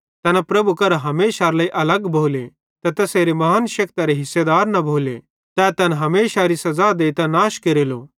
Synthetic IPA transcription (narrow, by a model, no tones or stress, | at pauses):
t̪ɛːnɛpɾɐbukɐɾɦɐmeːʃaːɾlaːiʔɐləɡbʱoːle | t̪ɛt̪ɐseːɾemɐɦəːnʃɐkt̪aɾeɦɪsːed̪aːɾnɐbʱoːlḛ | t̪ɛt̪ɛnɦɐmeːʃaɾisɐzad̪eːit̪ãnaːʃkeɾelo̰ː